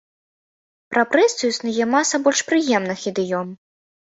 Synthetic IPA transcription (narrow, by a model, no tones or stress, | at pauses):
pɾɐpɾɛsʲɨjusnɨjɛmasɐbɔlʲʂpɾɨjɛmnɨxid̪ɨjɔm